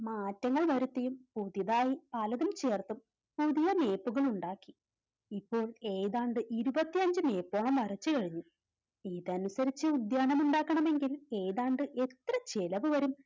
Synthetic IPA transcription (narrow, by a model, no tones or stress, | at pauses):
maːtːɐŋːɐɭʋɐɾut̪ːejumpuðjɐðaːjipɐlɐðɐmt͡ɕe̞ːrt̪um | puðijɐme̞ːpːuɣɐɭuɳɖaːkːi | ipːo̞ːɭe̞jðaːɳɖɨʔiɾubɐt̪ːiɐɲd͡ʑɨme̞ːpːoːɳɐmɐrɐt͡ɕːɨkɐɻiɲːu | iːðɐnusɐɾit͡ɕːɨud̪jaːɳɐmuɳɖaːkːɐɳɐme̞ŋɡile̞ːjðaːɳɖɨʔe̞t̪rɐt͡ɕe̞lɐʋɨʋɐɾum